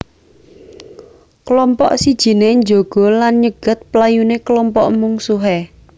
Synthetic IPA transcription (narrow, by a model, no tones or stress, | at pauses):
kəlɔmpɔʔsid̥ʒ̥i̤neɲd͡ʒoɡ̥ɔ̤lanɲəɡ̥ə̤t̪̚plajunekəlɔmpɔʔmuŋsuɦe